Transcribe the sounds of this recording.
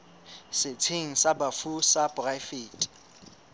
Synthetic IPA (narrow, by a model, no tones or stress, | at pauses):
sɪt͡sʰeŋ̩sabafusapʼrajfeːtʼ